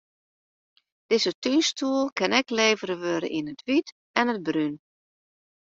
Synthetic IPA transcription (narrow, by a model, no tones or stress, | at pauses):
d̥ɪzətynstʰuəlˠkɪnɛkleːvəɾəʋøɾə̰ʔinətʰʋit | ɛnəd̚bryn